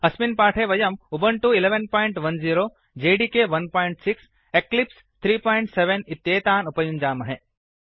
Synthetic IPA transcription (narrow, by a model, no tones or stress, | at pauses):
ɐsminpaːʈʰeʋɐjɐmubɐɳʈuɪleʋenpɔːɪɳʈʋɐnziːɾoː | d͡ʒeːɖikeʋɐnpɔːɪɳʈsɪks | eklips | t̪ʰɾiːpɔːɪɳʈseʋenɪt̪ːjeːt̪aːnupɐjũnd͡ʒaːmɐɦe